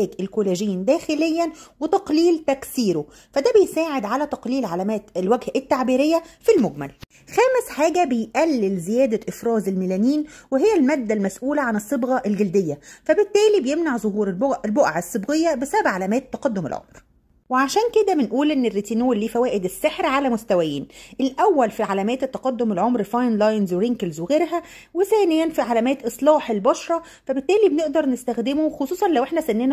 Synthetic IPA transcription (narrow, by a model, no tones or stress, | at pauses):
æːɡelkoleʒiːnd̪æːxelejːænwet̪ɑqliːlt̪æksiːɾo | fæd̪æbejsaːʕed̪ʕalæt̪ɑqliːlʕalæmæːt̪elwæɡhʔet̪ːaʕbiːɾejːæfilmoɡmæ̰l | xæːmesħaːɡæbejʔælːɪlzɪjæːd̪æʔɪfɾɑːzelmælæːniːnweɦɪjːælmæːd̪ːælmæsʔuːlæʕanɪsˤːɨbɣɑʔelɡæld̪ejːæfæbet̪ːæːlibejemnaʕzˤoɦuːɾelboʔʕesˤːɨbɣejːæbesæbæbʕalæmæːt̪t̪ːɑqɑd̪ːomḛlʕo̰mɾ | weʕaʃæːnked̪æbenʔuːlʔenːerːit̪iːnuːlːiːfæwæːʔed̪esːeħɾʕalæmost̪æwæjiːnʔelʔæwːælfiʕalæmæːt̪et̪ːɑqɑd̪ːomelʕomɾfɑjnlɑjnzweɾiŋkelzweɣeːɾɦæ | weθæːnejːænfiʕalæmæːt̪ʔɨsˤlɑːħelbɑʃɾˤɑ | fæbet̪ːæːlibeneʔd̪ɑɾˤnest̪æxd̪emoxosˤuːsˤɑnlæwʔeħnæsænːeːnæ